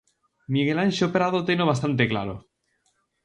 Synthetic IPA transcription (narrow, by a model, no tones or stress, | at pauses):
miɣelanʲʃopɾaðot̪enoβ̞ast̪ant̪ekla̰ɾo